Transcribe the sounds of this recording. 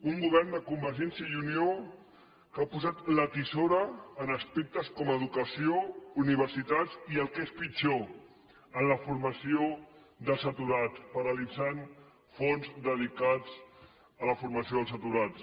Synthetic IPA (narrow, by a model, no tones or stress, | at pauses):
uŋɡuβ̞ɛrnd̪əkumbəɾʒɛnsjəiunio | kapuzat̪lət̪isoɾəːnəspek̚t̪əskɔməðukəsiouniβ̞əɾsit̪aziəlˠkespid͡ʒo | ənləfuɾməsio | ðəlˠsət̪uɾat̪pəɾəlid͡zan | fonzd̪əð̞ikad͡z | ələfuɾmɐsioðəlˠs̬ət̪uɾat͡s